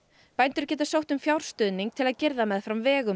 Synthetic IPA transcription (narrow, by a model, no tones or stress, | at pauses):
pajnt̪ʏɾ̥cɛːt̪asowht̪ʏmfjawɾ̥st̪ʏːðniŋk̚t̪ʰɪlaðcɪɾðamɛðfɾamvɛːɣʏ